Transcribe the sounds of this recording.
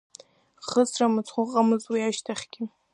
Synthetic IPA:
χəsramɨt͡sʰχʷʊqʼamɨzwiaʃtʰaχʲɡʲɪ

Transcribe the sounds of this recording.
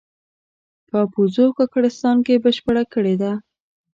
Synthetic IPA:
pəpuzokakaɽɪst̪ɑnkebəʃpəɽakəɽed̪a

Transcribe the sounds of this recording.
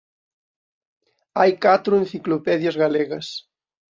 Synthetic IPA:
ajkat̪ɾʊẽnθiklopɛðjɐzɣalɛɣɐs

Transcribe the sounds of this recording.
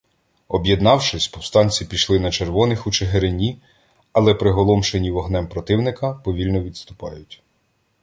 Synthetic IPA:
ɔbʲjed̪nɑwʃɪsʲpɔwst̪ɑnʲt͡sʲipʲiʃlˠɪnɐt͡ʃerʋɔnɪxut͡ʃeɦeɾenʲi | ɐlˠɛpɾɪɦɔlˠɔmʃenʲiʋɔɦnɛmpɾɔt̪ɪwnɪkɐpɔʋʲilʲnɔʋʲid̪st̪ʊpɑ̰jʊtʲ

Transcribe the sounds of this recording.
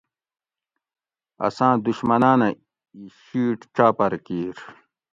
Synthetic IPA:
ɐ̰sãːd̪uɕmɐnaːnɐ | iɕiːʈʈ͡ʂaːpɐɾkiːɾ

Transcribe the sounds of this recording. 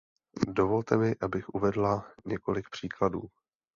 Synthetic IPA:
do̞vo̞lt̪ɛmɪʔabɪxʔuvɛdlaɲɛko̞lɪk̚pr̝̥iːkladṵː

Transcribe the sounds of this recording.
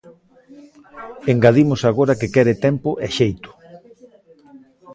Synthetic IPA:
eŋɡaðimʊsaɣoɾakekɛɾɪt̪ɛmpʊʔɛʃejt̪ʊ̥

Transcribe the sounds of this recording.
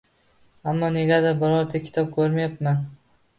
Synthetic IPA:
amːɒne̞ɡʲad̪abɪɾɒɾt̪ʰakʲʰɪ̥t̪ʰɒp̚kʰɵɾmajapman

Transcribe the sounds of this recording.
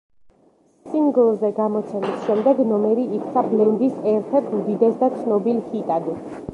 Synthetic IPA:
siŋɡɔlˠɔzɛɡamɔt̪sʰɛnisʃɛmd̪ɛɡnɔmɛɾiːkʰʼt̪sʰablɛnd̪isɛɾt̪ʰɛɾt̪ʰmd̪id̪ɛsd̪at̪sʰnɔbilˠhit̪ʼad̪ɛs

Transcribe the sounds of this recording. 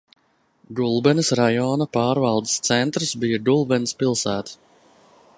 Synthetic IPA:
ɡulˠbɛnɨsɾajɔːnɐpaːɾvɑlˠd̪i̥st̪sɛnt̪ɾɨsbijad̪ulˠbɛnspilˠsæːt̪

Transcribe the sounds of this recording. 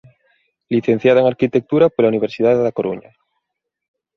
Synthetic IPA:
liθen̟θjaðaeŋaɾkit̪ek̚t̪uɾapolauniβ̞eɾsið̞aðeðakoɾṵɲa̰

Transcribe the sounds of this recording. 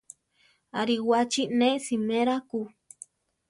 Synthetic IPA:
aɾiwat͡ʃineʔsimẽɾaku

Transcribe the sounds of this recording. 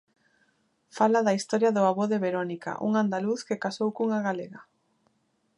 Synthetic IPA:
falaðɐist̪ɔɾjɐðʊaβoðeβeɾonika̰ʔṵŋand̪aluθkɪkasowkuŋaɣaleɣɐ

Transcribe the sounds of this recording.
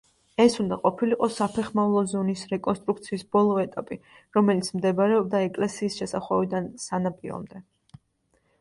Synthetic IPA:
ɛsund̪aqʼɔpʰiliqʼɔsapʰɛχmavlˠɔzɔnisɾɛkʼɔnst̪ʼɾuk̚ʰt̪sʰiːsbɔlˠɔɛt̪ʼapʼi | ɾɔmɛlit̪sʰmd̪ɛbaɾɛɔb̚d̪aɛkʼlɛsiːsʃɛsaχwavid̪ansanapʼiɾɔ̰md̪ɛ

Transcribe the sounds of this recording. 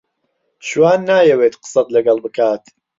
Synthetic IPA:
ʃwaːnːaːjɛweːt̪qɨ̥sɐt̪lɐɡɐlˠbɨkaːt̪

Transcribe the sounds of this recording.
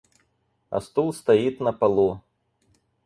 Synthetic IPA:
a̰st̪ulˠst̪ajit̪nɐpalˠu

